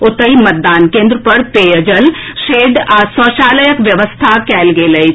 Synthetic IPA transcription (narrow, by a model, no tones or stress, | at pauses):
ʊt̪əɦimɐt̪̚d̪aːnkẽːnd̪ɾəpɐɾpeːjəd͡ʒəlʃeːɖasɔːʃaːləjəkʋjɐʋəst̪ʰakɛːlɡelɐi